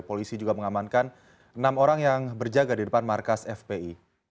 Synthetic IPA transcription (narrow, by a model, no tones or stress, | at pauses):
polisid͡ʒuɡaməŋamankan | ənamoɾaŋjaŋbərd͡ʒaɡadidəpanmarkasɛfbei